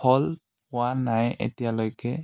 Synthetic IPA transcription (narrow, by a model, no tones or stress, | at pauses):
ɔl | pʊwanajḛtijalojkɛ